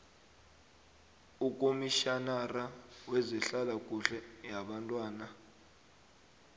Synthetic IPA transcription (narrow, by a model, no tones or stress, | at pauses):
ukʼomiʃanarawɛzɛɬalakʼuɬɛjaɓantʼwaːna